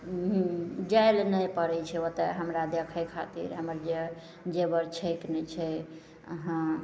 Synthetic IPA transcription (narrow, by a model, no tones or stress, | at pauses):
ɦd͡ʒaelnəjpəɾɛt͡ʃʰɛot̪eɦəmɾad̪ekʰəjkʰat̪ḭɾɦəməɾd͡ʒe | d͡ʒebəɾt͡ʃʰəjknɛt͡ʃʰɛ | ə̰ɦã